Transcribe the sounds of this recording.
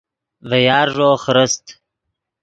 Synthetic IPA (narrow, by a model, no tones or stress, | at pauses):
vejɑːɾʐoːχɾəst̪